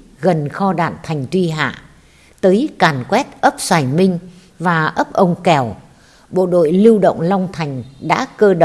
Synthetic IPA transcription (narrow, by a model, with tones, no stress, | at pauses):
ɣə˨˩nxɔ˧ɗa̰ː˧˨nt̪ʰa˨˩jŋ̟t̪wi˧ɦa̰ː˧˨ | t̪əː˨˦jkaː˨˩nkwɛ˦˥t̚ʔə˦˥p̚saː˧˩jmï˧ŋ̟ | vaː˨˩ʔə˦˥p̚ʔə˧wŋ͡mkɛ˨˩w | ɓo̰˧˨ɗo̰˧˨jlɨ˧wɗə̰˧˨wŋ͡mla˧wŋ͡mt̪ʰa˨˩jŋ̟ɗa̰ː˧˥kəː˧ɗ